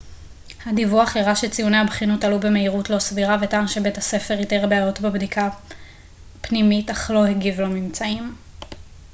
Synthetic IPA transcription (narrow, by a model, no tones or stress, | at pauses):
hadivuaχeʁaʃet͡sijune̞jhabχinotalube̞me̞iʁutlo̞sviʁavetaːnʃe̞be̞tase̞fe̞ʁiteʁbeajo̞tbebdikʰa | pnimitaχlo̞heɡivlo̞mimt͡saim